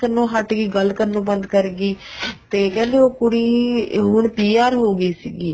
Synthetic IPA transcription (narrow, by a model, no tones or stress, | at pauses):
kənõːɦəʈɡiːɡəlkənõːbənd̪kəɾɡiːt̪eːkɛ̃ːnd̪eːoːkʊɽiːɦʊɳpiːaːɾɦoːɡəiːsiːɡiː